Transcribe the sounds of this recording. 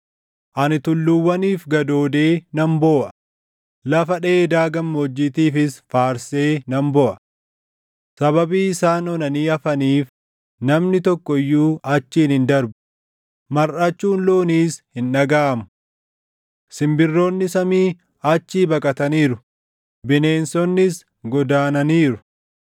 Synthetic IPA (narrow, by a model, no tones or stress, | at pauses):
ʔɐnɪt̪ʊlːʊwːɐniːfɡɐd̪o̞ːd̪e̞ːnɐmbo̞ːʔɐ̥ | lɐfɐᶑe̞ːd̪aːɡɐmːɔd͡ʒːit̪iːfɪsfaːɾse̞ːnɐmbɔʔɐ̥ | sɐβɐbiːɪsaːnɔnɐniːɐfɐniːf | nɐmnɪt̪ɔkːɔɪjːuːɐt͡ʃːiːnhɪnd̪ɐɾbʊ̥ | mɐɾʔɐt͡ʃːuːnloːniːshɪnᶑɐɡaːʔɐmʊ̥ | sɪmbɪrːo̞ːnːɪsɐmiː | ɐt͡ʃːiːbɐkʼɐt̪ɐniːɾʊ | bɪne̞ːnsɔnːɪs | ɡɔd̪aːnɐniːɾʊ̥